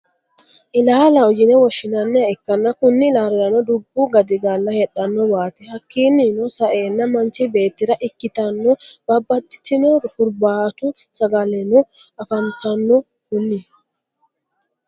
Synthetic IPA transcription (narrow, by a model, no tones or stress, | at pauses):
ʔɪlaːlɐɔd͡ʒɪnɛwɔʃɪnɐnːɛɐɪkːɐnːɐkʊnːɪlaːɾɪjɐnɔd̪ʊbːuɡɐd̪ɪɡalːɐhɛᶑɐnːɔwaːt̪ɛhɐkːiːnːɪnɔsɐʔeːnːɐmɐnt͡ʃibe̞ːt̪ːɪɾɐʔɪkːɪt̪ɐnːɔb̥ɐbːɐt̪ːɪ̥t̪ɪnɔhʊɾbaːt̪ʊsɐɡɐlɛnɔɐfɐnt̪ɐnːɔ | kʊnːɪ